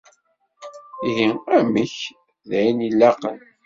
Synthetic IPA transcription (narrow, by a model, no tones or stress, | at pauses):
iɦiæməç | ðæinilːæqən